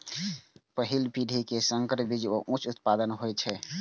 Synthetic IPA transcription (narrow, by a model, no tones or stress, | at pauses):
pəɦilpiɖʱikesəŋkəɾbid͡ʒoʔũt͡ʃʰut̪pad̪ənɦojt͡ʃʰɛ